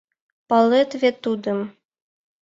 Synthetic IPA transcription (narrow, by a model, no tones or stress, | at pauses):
pɑlˠet̪vʲet̪ːud̪ɤ̆m